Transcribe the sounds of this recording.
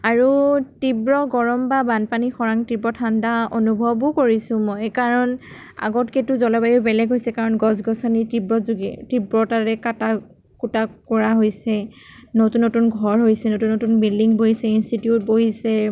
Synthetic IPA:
aɹutibɹɔɡɔɹɔmbabanpanixɔɹaŋtibɹɔtʰandaonubʱɔbʊkoɹisʊ̃mɔjkaɹɔn | a̰ɡɔtketuzɔlɔbajubɛlɛɡʱɦojsɛkaɹɔnɡɔzɡɔsɔnitibɹɔzuɡɛ̰tibɹɔtaɹɛkata | kutakɔɹaɦojsɛnotunːotunɡʱɔɹɦojsɛnotunːotunbildiŋboɦisɛinstitjut̚boɦisɛ

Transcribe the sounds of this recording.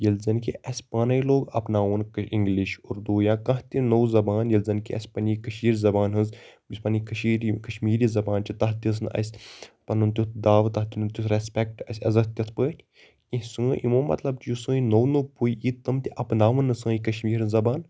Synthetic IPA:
jɐlzɐnkiʔɐsʲpaːnɐjloːɡɐpnaːʋənkiŋɡliʃuɾd̪uːjãːkɐ̃ɦt̪ʲinowzɐbaːnjɐlzɐnkiɐ̰sʲpɐnʲikɐʃiːɾzɐbaːnɦɨ̃nz | isʲpɐnikɐʃiːɾikɐʃmiːɾiːzɐbaːnt͡ʃit̪ɐɦt̪ʲis̬nɐ̰sʲpɐnunt̪ʲut̪ʰd̪aːʋt̪ɐht̪ʲunut̪jut̪ʰɾespʲɛk̚ʈɐsʲɐzɐkt̪ʲɐt̪ʰpəːtʲʰ | ĩsɨ̃ːʔimõːmɐ̰t̪lɐbt̪jusə̃ːinownupuiʔit̪ɨmt̪ʲiʔɐpnaːʋɨnːɨsə̃ːikɐʃmiːɾɨzɐbaːn

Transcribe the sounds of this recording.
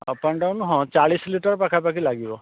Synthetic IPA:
a̰panɖawnɔɦɔ̃t͡ʃaɭisliʈaɹpakʰapak̬ilaɡibɔ

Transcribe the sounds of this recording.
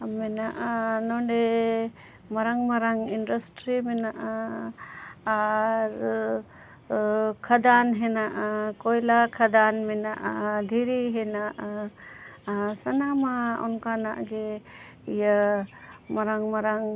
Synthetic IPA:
mɛnaʔanɔɳɖɛ | maɾaŋmaɾaŋindasʈɾimɛnaʔa | ɾ | kʰad̪anɦɛnaʔakɔjlakʰad̪anmɛnaʔad̪ʱiɾiɦɛnaʔa | sanamaɔ̰nkana̰ʔɡe | ija | maɾaŋmaɾaŋ

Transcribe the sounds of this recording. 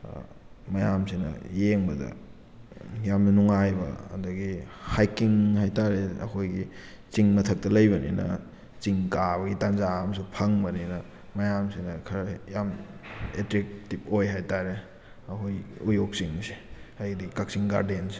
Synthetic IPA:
mɐjamsinɐ̰jeŋbɐdɐ̰ | jamnɐnuŋajbɐ̰ɐ̰dɐɡihajkiŋhajtaɾeɐ̰kʰojɡi | t͡ʃiŋmɐtʰɐk̚tɐlɐjbɐnḭnɐ̰ | t͡ʃiŋkaβɐɡitanzaɐmɐs̬upʰɐŋbɐninɐ | mɐjamsinɐkʰɐɾjametɾek̚tip̚ojɦajtaɾe | ɐkʰojujok̚siŋseajdikak̚siŋɡa̰ɾdense̥

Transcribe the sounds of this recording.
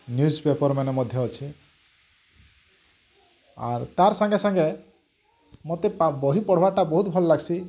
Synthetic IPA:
njud͡ʒpepɔɾmanemɔd̪ʱjɔːt͡ʃʰi | a̰ɾt̪aɾsaŋɡesaŋɡe | mot̪epabɔɦipɔɽ̤ɔbaʈabɔɦut̪bʱɔlɔlaɡsʰi

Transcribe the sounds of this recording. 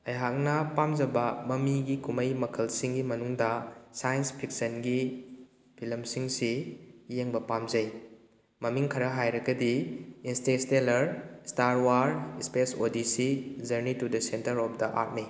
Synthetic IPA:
ɐjɦak̚nɐpamd͡ʒɐbɐmɐmiɡikumɐjmɐkʰɐlsiŋɡimɐnuŋdɐsajnspʰɾik̚sɐnɡi | pʰilɐmsiŋsijeŋbɐpamzɐj | mɐmiŋkʰɐɾɐɦajɾɐɡɐdiinstestelɐɾstaɾwaɾspesodisid͡ʒɐɾnitudɐsentɐɾɔp̚ʰdɐʔa̰t̚mi

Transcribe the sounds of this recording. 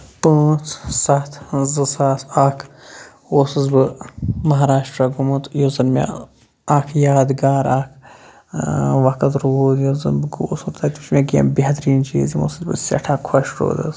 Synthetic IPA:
pə̃ːt͡sʰsɐt̪ʰzɨsaːt̪ʰaːkʰ | oːsɨzbɨmɐɦaːɾaːʃʈɾaɡumɨt̪jozɐnmʲa̰ | akʰjaːd̪ɡaːɾaːkʰ | ʋɐkɐt̪ɾoːd̪jozɨ̰nbɨɡoːsuɾt̪at̪ʲit͡ʃmʲekḛmbiɦɐt̪ɾiːnt͡ʃḭːzimo̰ːsɨzbɨ̰sʲɐ̰ʈʰaːkʰwɐʃɾo̰ːd̪ɐ̰s

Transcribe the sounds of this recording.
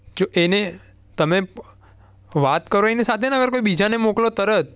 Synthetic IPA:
d͡ʒoʔene | t̪əme | ʋat̪kəɾoenisat̪ʰenəəɡəɾkoibid͡ʒanemoklot̪əɾət̪̚

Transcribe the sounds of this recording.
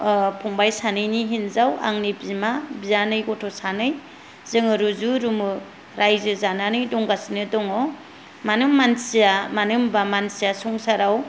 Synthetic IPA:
pʰɔŋbajsanɯjniɦinzawa̰ŋnibimabijanɯjɡɔtʰɔsanɯj | z̥ɯŋɯɾuzuɾumɯ | ɾajzɯzananɯjdɔŋɡasinɯdɔŋɔ | manɯmːansijamanɯmbamansijasuŋsaɾaw

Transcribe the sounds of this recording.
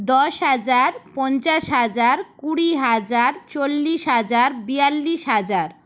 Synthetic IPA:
d̪ɔʃɦad͡ʑaɾpɔnt͡ɕaʃɦad͡ʑaɾkuɽiɦad͡ʑaɾt͡ɕolːiʃɦad͡ʑaɾbialːiʃɦad͡ʑaɾ

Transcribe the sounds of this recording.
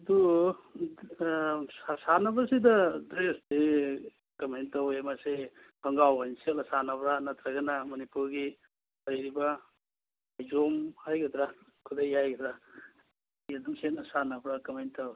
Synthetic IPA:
d̪u | sasanabɾased̪ɐd̪ɾesd̪e | kɐmejnt̪ɐwemase | pʰɐŋɡawansilɐsanabɾanɐt̪ɾɐɡɐnamɐnipuɡi | bɐjɾibaː | jzomhajɡɐd̪ɾa | kʰud̪ɐjajɡɐd̪ɾa | ed̪uŋsenɐsanabɾakɐmejnt̪ɐw

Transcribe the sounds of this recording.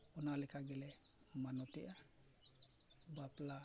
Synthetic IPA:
ɔnalɛkʰaɡɛlɛ | manɔt̪ɛʔa | bapla

